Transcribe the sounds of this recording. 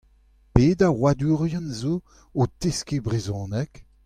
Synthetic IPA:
peːdaʁwadyːʁjãnzo | oteskebʁezɔ̃ːnɛk

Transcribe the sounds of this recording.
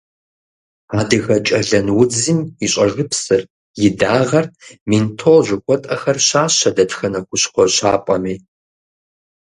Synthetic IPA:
aːdɨɣɐt͡ʃʼɐɮɐnwʊd͡zɨmiɕʼɐʐɨpsɨr | jɪdaːʁɐrmintʰolʒʷʊkʷʰʼɔtʼɐxɐrɕaːɕɐdɐtxɐnɐkʷʰʊɕχʷɔɕaːpʼɐmiː

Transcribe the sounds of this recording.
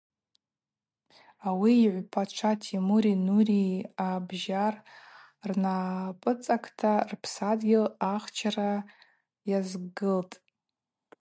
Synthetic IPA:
awiːʕʷpʰaʈ͡ʂʷʰatʰimuɾinuriabʒar | rnapʼɨt͡sʼakʰʼtʰarpʰsadɡʲɪlaχt͡ʃʰara | jazɡɨltʼ

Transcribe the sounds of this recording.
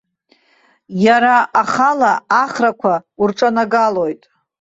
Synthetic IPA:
jaɾaːχalaːχrakʷʰaurʈ͡ʂʼanaɡalo̞jtʼ

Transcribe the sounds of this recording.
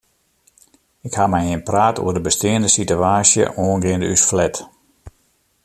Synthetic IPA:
ɪkhamɛjhɪnpraːtʰo̰ərdəbəstɪːəndəsityaːsjə̰ʔoːənɡɪəndysflɛt

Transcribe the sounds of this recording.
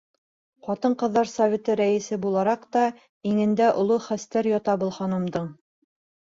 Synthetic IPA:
qɒt̪ɤɴqɤ̆ðːɑɾsɐvʲet̪ɤɾæɘ̆sɘbulˠɑɾɑqt̪ɑ | iŋɘ̆nd̪æʔŏ̰lˠoχæst̪æɾjɒt̪ɑbɤ̆lˠχɑnɤ̆md̪ɤɴ

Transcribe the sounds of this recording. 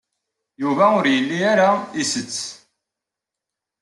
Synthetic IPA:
juvæʊɾjəlːiaɾaisət͡sː

